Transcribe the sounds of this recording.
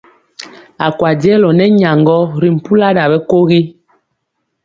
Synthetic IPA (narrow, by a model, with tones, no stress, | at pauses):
a˨kwa˨djɛ˦lɔ˨nɛ˦ɲa˨ŋɡɔ˦ɾi˨m̩˨pu˦la˦da˨bɛ˦ko˦ɣi˦